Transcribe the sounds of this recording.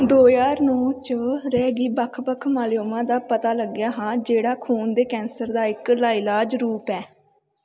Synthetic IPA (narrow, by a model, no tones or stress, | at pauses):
d̪oːjaːɾnɔ̃ːt͡ʃəɾɛːɡiːbəkʰbəkʰmaːlɪjoːmãːd̪aːpət̪aːləɡjaːɦãːd͡ʒeːɽaːkʰuːnd̪eːkɛ̃ːnsəɾd̪aːɪklaːɪlaːd͡ʒɾuːpɛː